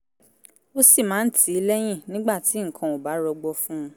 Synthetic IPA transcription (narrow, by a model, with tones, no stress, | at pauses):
o˦si˦˨mãː˨˦n̩˦tʰi˨˦i˧lɛ˦j̃ĩ˦˨nĩ˦ɡ͡ba˦˨ti˨˦ŋ̩˨kʰã˨o˨ba˨˦ɾɔ˧ɡ͡bɔ˧fũ˦˧